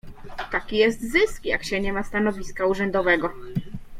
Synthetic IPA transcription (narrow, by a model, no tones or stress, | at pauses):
t̪akʲijɛst̪zɘskja̰kɕɛɲɛmast̪anɔvʲiskauʐɛnd̪ɔvɛɡɔ